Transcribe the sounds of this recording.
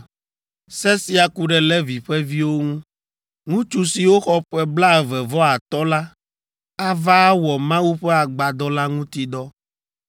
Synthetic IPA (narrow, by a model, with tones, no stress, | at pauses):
sɛ˦si˦a˨ku˦ɖɛ˨lɛ˦vi˨ɸɛ˦vi˦wo˦ŋũ˦ | ŋũ˦t͡ʃu˦si˨wo˦xɔ˦ɸɛ˦bla˦ɛ˨vɛ˨vɔ˦a˨t̪ɔ˦la˦ | a˦va˦wɔ˨mã˦wu˦ɸɛ˦a˨ɡ͡ba˨d̪ɔ˦la˦ŋũ˦t̪i˦ɖ̪ɔ˦